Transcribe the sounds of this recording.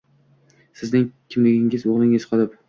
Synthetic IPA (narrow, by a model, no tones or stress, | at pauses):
sɪznɪŋkʲʰɪmlɪɡʲɪŋɪzoʁlˠɪŋɪz̥qʰɨlˠɪp